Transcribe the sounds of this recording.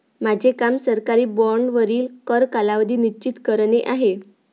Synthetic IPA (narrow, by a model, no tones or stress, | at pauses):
mad͡ʑʱekamsəɾkaɾiːbɔɾɳɖʋəɾiːlkəɾkalaʋd̪iːnit͡ɕit̪kəɾneʔaɦe